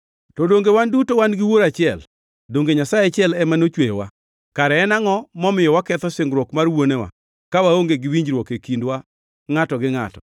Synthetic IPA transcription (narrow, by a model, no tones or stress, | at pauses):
tɔdoŋɡewandutowanɡɪwoɾat͡ʃɪɛl | doŋɡeɲasajt͡ʃɪɛlɛmanot͡ʃwejɔwa̰ | kaɾɛːnaŋɔmɔmɪjɔwakɛt̪ɔsɪŋɡɾwɔkmarwonewa̰ | kawaoŋɡeɡɪwiɲd͡ʒɾwɔkekindwa | ŋatɔɡɪŋa̰tɔ̰